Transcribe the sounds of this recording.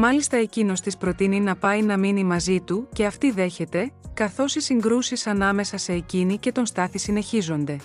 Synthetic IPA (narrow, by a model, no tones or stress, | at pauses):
mɐlist̪ɐe̞cino̞st̪ispɾo̞t̪ininɐpɐinɐminimɐzit̪uce̞ɐft̪iðe̞çe̞t̪e̞kɐθo̞sisiŋɡɾusisɐnɐme̞sɐse̞ːcinice̞t̪o̞nst̪ɐθisine̞çizo̞nd̪e̞